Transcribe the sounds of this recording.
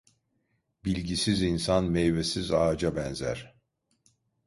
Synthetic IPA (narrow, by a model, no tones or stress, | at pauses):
bilʲɟisizinsanmɛjvesizaːd͡ʒabɛnzæ̰ɾ̥